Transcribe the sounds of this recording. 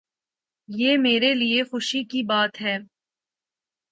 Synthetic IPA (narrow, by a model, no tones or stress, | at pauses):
jeːmeːɾeliexʊʃikibaːt̪ɦɛː